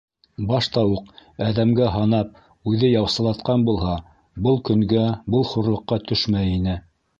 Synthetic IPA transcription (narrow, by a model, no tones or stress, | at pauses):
bɑʃt̪ɑwuqæðæmɡæɦɑnɑp̚ | ʉðɘjɑwsɤ̆lˠɑt̪̚qɑnbulˠɦɑ | bɤlˠkɵ̆ŋɡæbɤlˠχuɾlˠɤ̆qːɑt̪ɵʃmæjinɘ